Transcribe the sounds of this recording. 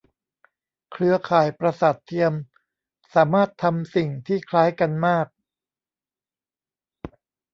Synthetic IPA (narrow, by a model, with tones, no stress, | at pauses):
kʰɾɯ˧ɐkʰaː˨˩jpɾa˧sa˨˩t̪ʰːi˧əm | saː˩˦maː˥˩t̪ʰːa˧msi˨˩ŋt̪ʰiː˥˩kʰlaː˦˥jka˧nmaː˥˩k̚